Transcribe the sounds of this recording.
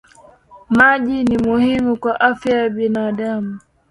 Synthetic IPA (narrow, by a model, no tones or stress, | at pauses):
maʄinimuhimukwaʔafjajaɓinaɗamu